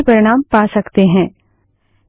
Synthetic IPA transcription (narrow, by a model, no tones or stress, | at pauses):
pɐɾɪɽ̃aːmpaːsɐkt̪eɦɛ̃ː